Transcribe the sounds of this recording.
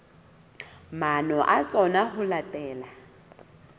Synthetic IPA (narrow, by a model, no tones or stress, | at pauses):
manɔʔat͡sʼɔnaɦʊlatʼɛːla